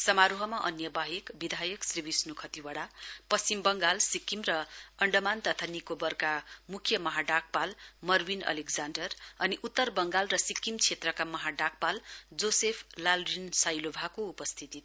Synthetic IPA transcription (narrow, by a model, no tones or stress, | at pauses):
sʌmaɾuɦʌmaʔʌnjʌbaɦikbid̪ʱajʌksribisnukʰʌt̪iwaɽapʌst͡simbʌŋɡalsikːimrʌʌɳɖʌmant̪ʌt̪ʰanikobʌrkamukʰjʌmʌɦaɖak̚palmʌrwinʌ̰likd͡zaɳɖʌrʌniʔut̪ːʌrbʌŋɡalrʌsikːimt͡sʰet̪rʌkamʌɦaɖak̚pald͡zosepʰlalrinsajlobʱakoupʌst̪ʰit̪i